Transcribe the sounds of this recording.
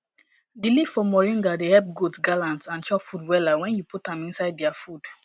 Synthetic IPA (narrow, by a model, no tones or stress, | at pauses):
dilivfɔmɔɹĩnɡadehɛp̚ɡudsɡalãntsãnt͡ʃɔpfudwɛlawɛ̃njuputãmĩnsaɪddiafud̥